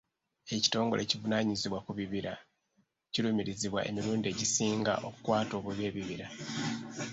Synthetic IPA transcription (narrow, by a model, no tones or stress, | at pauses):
e̞ci̥to̞ːŋɡo̞lʔe̞civunaːɲiziβwakuβiβiɾa | ciɾumiɾiziβwa̰ʔe̞̰miɾuːndie̞ɟisiːŋɡa̰ʔo̞kukwaːto̞βuβje̞ːβiβiɾa